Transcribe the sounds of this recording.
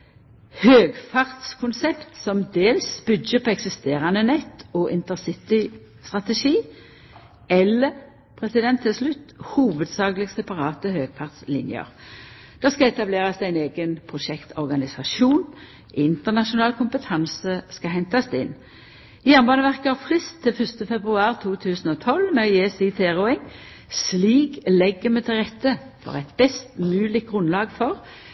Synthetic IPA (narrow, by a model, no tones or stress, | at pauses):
høːɡfɑʁt̪skʰʊnsɛpt̪sɔmd̪eːlsb̥ʏdəpʰɔɛksɪst̪eːʁɑnənɛt̪ːɔːʔɪnt̪əsɪt̪ɪ | st̪ʁɑt̪ɛʃiː | ɛlːəʁ | pʰʁɛsɪd̪ɛnt̪ʰːɪlslʉt̪ːhuːʋəd̪sɑːɡlɪɡsɛpɑʁɑːt̪əhøːɡfɑʁt̪slɪ̰njə̰ʁ | d̪̥ɑskɑɛt̪ɑbleːʁɑsd̪æɪneːɡənpʰʁʊʃɛkt̪ʰɔʁɡɑnɪsɑʃuːn | ʔɪnt̪əʁnɑʃʊnɑːlkʰʊmpət̪ʰɑnsəskɑɦɛnt̪ɑsd̪ɛɪ̰n | jæːʁnbɑːnəʋæʁkəhæfʁɪst̪ʰːɪlfœst̪əfɛbʁʉɑːʁt̪ʰuːt̪ʰʉːsn̩ɔːt̪ʰɔlmɛesit̪ʰeːʁɔɛŋ | sliːɡlɛɡːəmɛt̪ʰɪlʁɛt̪ːə | fɔ̰ʁæɪt̪bɛst̪mʉːlɪk̚ɡʁʊnlɑːɡfɔʁ